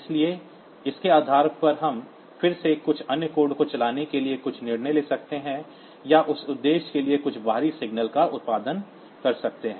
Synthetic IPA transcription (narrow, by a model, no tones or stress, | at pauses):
ɪslie | ɪskeaːd̪ʱaːɾpɐɾɦɐm | fɪɾsekʊt͡ʃʰɐnjkoːɾɖkot͡ʃɐlaːnekeliekʊt͡ʃʰnɪɽneleːsɐk̚t̪eɦɛ̃ | jaʔʊsʊd̪ːeːʃkeliekʊt͡ʃʰbʱaːɾisɪɡnəlkaʔʊt̪̚paːd̪ən | kɐɾsɐk̚t̪eɦɛ̃ː